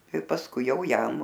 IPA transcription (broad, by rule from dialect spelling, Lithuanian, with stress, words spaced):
ɪ pɐsˈkʊɪ ˈjɛʊ ˈjɛm